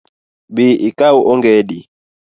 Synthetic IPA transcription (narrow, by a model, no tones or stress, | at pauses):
biʔikauʔɔŋɡɛɗi